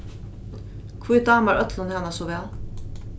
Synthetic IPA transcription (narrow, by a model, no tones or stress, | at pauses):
kʰviːd̪ɑːmaɾœt̪lʊnhanasɔʋɛːl